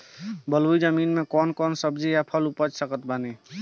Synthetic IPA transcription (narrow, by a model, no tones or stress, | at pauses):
bəluid͡ʒəminmekɔnkɔnsəbd͡ʒijapʰəlupəd͡ʒsəkət̪̚bani